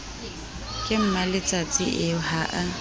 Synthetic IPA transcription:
kʼɪm̩malɪt͡sʼat͡sʼɪʔɪhaʔa

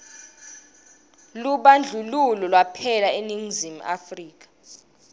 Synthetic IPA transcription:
luɓand͡ɮʱululɔlwapʰɛlaeniŋzim̩ʔa̰friːk̬ḁ

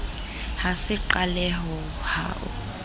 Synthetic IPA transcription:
hasɪǃalɛɦɔ | ha̰ːʔʊ̰

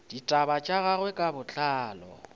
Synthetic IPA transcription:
d̥itʼabat͡ʃʼaɣaɣwɛkʼabʊt͡ɬʼaːlɔ̰

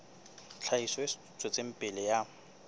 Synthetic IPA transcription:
t͡ɬʰaisɔɪsut͡sʼɔt͡sem̩pʼɪlɪja

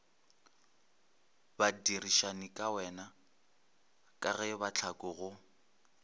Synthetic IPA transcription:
badiriʃanikʼawɛna | kʼaɣɛbat͡ɬʰakʼʊɣʊ

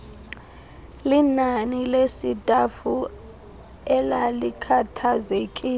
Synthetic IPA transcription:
linanilesitʼafu | ɛlalikʰatʰazekʼi

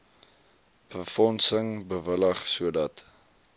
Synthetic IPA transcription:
b̥əfɔnsəŋbəvələχsuədɐt

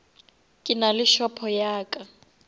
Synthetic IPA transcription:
kʼɪnalɪʃɔpʰɔjaːkʼa

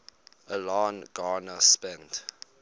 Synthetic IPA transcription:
əlaːnɡaːnəspɛ̃nt

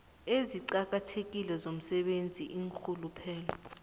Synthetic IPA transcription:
eziǀak̬ʼatʰek̬ʼilɛzom̩sɛɓend͡zʱiʔiŋxʰulupʰɛːlɔ

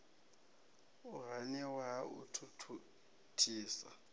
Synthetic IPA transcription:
ʊɦanɛwaṵtʰutʰu | tʰiːsa̰

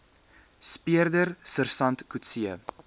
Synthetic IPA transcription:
spiərdərsərsɐntkutsiə

